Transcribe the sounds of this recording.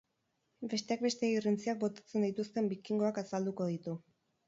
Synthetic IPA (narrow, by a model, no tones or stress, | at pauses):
be̞st̪e̞ak̚be̞st̪e̞irint͡siak̚bo̞t̪ḁt͡se̞nd̪ijt̪ust̪e̞mbikiŋɡo̞akasald̪uko̞ð̞it̪u